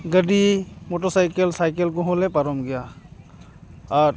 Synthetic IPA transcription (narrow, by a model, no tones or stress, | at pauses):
ɡəɖimɔʈɔsajkelsajkelkɔɦɔlɛpaɾɔmɡɛja | ɾ